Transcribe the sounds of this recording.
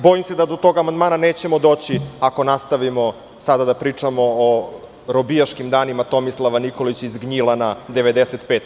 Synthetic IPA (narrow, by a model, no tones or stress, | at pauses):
bo̞imsed̪ad̪ot̪o̞ɡamand̪maːnane̞ːt͡ɕe̞mo̞d̪o̞ːt͡ɕiako̞nast̪aʋimo̞ | sad̪ad̪apɾiːt͡ʂamo̞ː | ɾobijaʃkimd̪aːnimat̪o̞mislˠaʋaniko̞lit͡ɕizɡɲilˠanad̪e̞ʋed̪eset̪peːt̪